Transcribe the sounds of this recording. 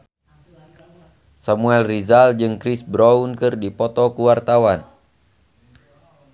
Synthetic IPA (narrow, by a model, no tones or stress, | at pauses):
samuɛlrizald͡ʒɨŋkɾisbɾɔunkɨrdipɔt̪ɔkuwart̪awan